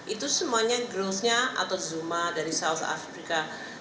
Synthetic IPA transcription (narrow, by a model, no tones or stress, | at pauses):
ʔit̪usəmuaɲaɡɾosɲaʔa̰t̪awzumadaɾisaut̪ʰa̰fɾika